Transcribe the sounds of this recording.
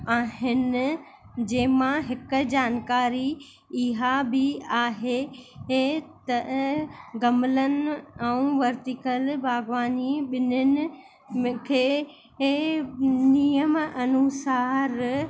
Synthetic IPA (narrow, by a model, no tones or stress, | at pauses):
aːɦɪnɪ̆ | d͡ʑeːɦɪmãɦɪkd͡ʑaːnkaːɾi | ɪɦabʱɪaːɦeet̪ɐ | ɡɐmlənɛ̃ũʋɐɾt̪ɪkəlbʱaːɡʋaːniɓɪnʊnɪ̆ | kʰeː | nijəmɐnusaːɾ